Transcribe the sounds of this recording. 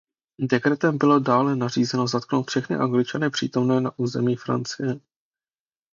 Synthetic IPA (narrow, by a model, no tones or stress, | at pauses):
dɛkɾɛt̪ɛmbɪlo̞daːlɛnar̝iːzɛno̞zat̪̚kno̞wt̪fʃɛxnɪ̰ʔaŋɡlɪt͡ʃanɪpr̝̥ḭːt̪o̞mnɛːnaʔuːzɛmiːfɾa̰nt͡sɪjɛ